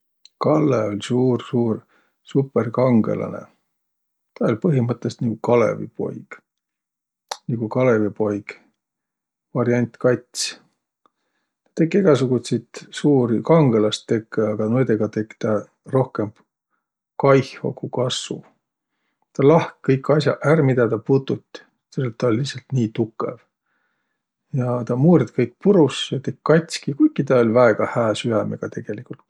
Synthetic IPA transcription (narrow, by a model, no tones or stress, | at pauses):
kɑlːeo̞lʲsuːrsuːr | supːˑerkɑŋɡ̥e̞̰lɑ̰nḛ | t̪ɑolʲpɤɦimɤt̪ːˑest̪niɡ̥ukɑlḛvḭpo̞̰jɡ̥ | niɡ̥ukɑlevipo̞jɡ̥ | vɑɾjɑnʲt̪kɑt̪ʲs | t̪ɑ̥t̪ekːˑeɡ̥ɑsuɡ̥ut̪set̪suːɾikɑŋɡ̥elɑst̪ːe̞kːeɑɡ̥ɑnojd̪eɡ̥ɑt̪e̞kːt̪ɑ | ro̞hkem | kɑjho̰kukɑsvṵ | t̪ɑlɑhkkɤjkːˑɑsʲjɑ̰ʔærmid̪ɑt̪ɑput̪ːˑut̪ʲː | t̪elet̪ːˑɑolʲlːihsɑlt̪niːt̪ukːˑe̞̰v | jɑt̪ɑmuːɾid̪kɤjk̚ːˑpuɾusjɑt̪e̞kkːɑt̪ʲskikujkːˑit̪ɑo̞lʲvæe̞ɡ̥ɑhæːsyæmḛɡ̥ɑt̪e̞ɡ̥e̞likːˑult̪